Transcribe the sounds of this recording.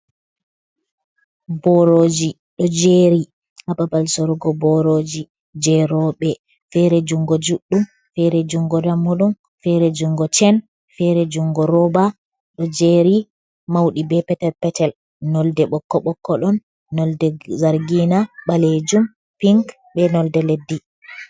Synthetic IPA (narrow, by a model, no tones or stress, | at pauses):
bɔɾod͡ʒi | ɗɔd͡ʒeɾi | hababalsɔɾɡɔbɔɾod͡ʒi | d͡ʒɛɾɔɓɛ | fɛɾɛd͡ʒuŋɡɔd͡ʒuɗːum | fɛɾɛd͡ʒuŋɡɔdamːuɗun | fɛɾɛd͡ʒuŋɡɔt͡ʃɛn | fɛɾɛd͡ʒuŋɡɔɾɔba | ɗɔd͡ʒeɾi | mawɗibɛpɛtɛlpɛtɛl | nɔldɛɓɔkːɔɓɔkːɔɗɔnː | ɔldɛzaɾɡinaɓaled͡ʒum | piŋk | bɛnɔldɛledːi